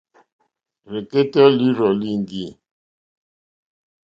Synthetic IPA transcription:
ɾe˨ke˦tɔ˦li˦ɾɔ˨li˦˨ŋ˨ɡi˦˨

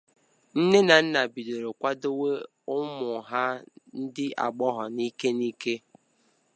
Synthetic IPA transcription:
n̩˦ne˦na˨n̩˦na˨bi˨de˨ɾo˨kʷa˦do˦we˦ | ʊ˦mʊ˨ɦa˦n̩˦dɪ˦a̰˨ɡ͡bɔ˦ɦɔ˨ni˦ke˦ni˦ke˦

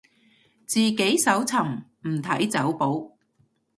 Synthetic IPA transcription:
t͡siː˨ke˨˥jsɐ˨˥wt͡sʰɐ˨˩mm̩˨˩t̪ʰɐ˨˥jt͡sɐ˨˥wpo˨˥w

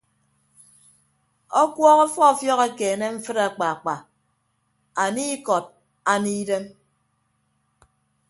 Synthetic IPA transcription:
ɔ˦kwɔ˦ɣɔ˦fɔ˦˨fjɔ˦ɣe˦keː˨ne˦ɱ̩˦fɨ˦ɾa˨k͡pa˨a˨k͡pa˨ | a˨niː˦kɔ˨t̚ | a˨niː˦de˦m

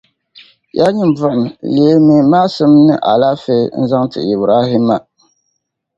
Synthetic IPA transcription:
ja˦ɲi˨mva˨mle˨e˦mi˦maː˦sɨ˦mnɨ̰˦ʔa̰˨la˦fe˦n̩˦za˦ŋtɨ̰˨i˨bɾa˦ɦi˦ma˨

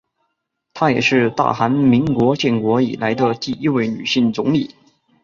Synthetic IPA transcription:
t̪ʰa˥jɛ̰˨˩ʂɻ̩˥˧t̪a̰˥˩xa˧˥nmi˧˥ŋkwɔ˧˥t͡ɕjɛ˥˩nkwɔ˧˥ḭ˨˩la˧˥ɪd̪ə˧t̪i˥˧i˥we˥˩ɪny̰˨˩ɕi˥˩nt͡sʊ˧˥ŋli˨˩˦

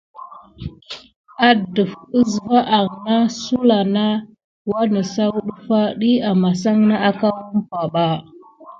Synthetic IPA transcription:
a˦də˨fə˦zva˦ʔa˨ɣna˦su˦la˨na˦ | wa˦nə˨sa˦wu˦ɗu˦fa˦ɗi˦a˨ma˨sa˦ŋna˦a˦ka˦wu˦mpa˨ɓa˦

